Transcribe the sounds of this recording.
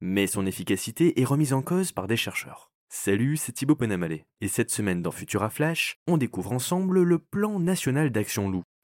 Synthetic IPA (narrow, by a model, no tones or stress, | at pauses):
mɛsɔ̃nefikʲasit̪eʔɛʁəmizɑ̃kozpaʁd̪eʃɛʁʃœ̰ːʁ | salyset̪ibopɔnamalɛ | esɛt̪səmɛnd̪ɑ̃fyt̪yʁaflaʃɔ̃d̪ekuvʁɑ̃sɑ̃blləplɑ̃nasjɔnald̪aksjɔ̃lu